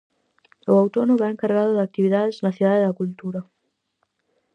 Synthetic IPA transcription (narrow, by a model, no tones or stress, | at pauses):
ʊawt̪ɔnʊβɛeŋkaɾɣaðʊðak̚t̪iβiðaðɪznɐθiðaðɪðɐkult̪uɾɐ